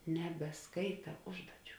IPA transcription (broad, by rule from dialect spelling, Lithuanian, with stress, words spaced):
nʲɛbʲɛˈskɐɪtɐ ˈʊʒduɔˌt͡ʃʲuː